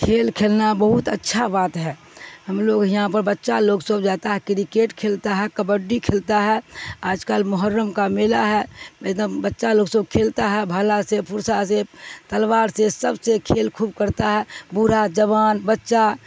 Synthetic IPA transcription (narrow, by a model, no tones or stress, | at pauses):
kʰeːlkʰeːlnabəɦʊt̪ətːʃʰabaːt̪ɦɛː | həmloːɡjɐɦãpəɾbətːʃaloːksəbd͡ʒaːt̪aɦɛkɾikeːʈkʰeːlt̪aɦɛkəbəɖːikʰeːlt̪aɦɛaːd͡ʒkalmʊɦəɾːəmkamelaɦɛmɛd̪əmbətːʃaloːɡsəb̚kʰeːlt̪aɦɛbʱaːlasepʊɾsaset̪əlʋaːɾsesəbsekʰeːlkʰuːbkəɾt̪aɦɛbuɾad͡ʒəʋaːnbətːʃa